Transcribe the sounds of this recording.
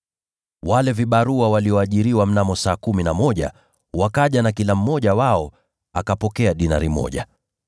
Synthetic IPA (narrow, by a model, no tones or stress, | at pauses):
walɛviɓaɾuawaliɔaʄiɾiwam̩namɔsaːkuminamɔʄa̰ | wakaʄanakilam̩mɔʄawaɔ | akapɔkɛaɗina̰ɾimɔ̰ʄa̰